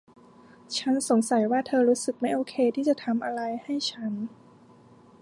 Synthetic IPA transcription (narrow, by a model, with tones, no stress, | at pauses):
t͡ɕʰa˦˥nso˨˩˦ŋsa˨˩˦jwaː˥˩t̪ʰɤː˧ɾuː˦˥sɯ˨˩k̚ma˥˩jʔoː˧kʰeː˧t̪ʰiː˥˩t͡ɕa˨˩t̪ʰa˧mʔa˧ɾa˧jha˥˩jt͡ɕʰa˦˥n